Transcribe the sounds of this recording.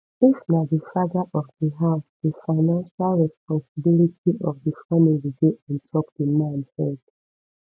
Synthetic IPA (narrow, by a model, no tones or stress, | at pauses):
ɪsnadifaɡaʔɔfdiɦaʊsdəfaɪnãnʃalɹɛspɔ̃nsibilitʰiʔɔfðəfamiwiɡoʔãntʰɔkdəmãnhɛd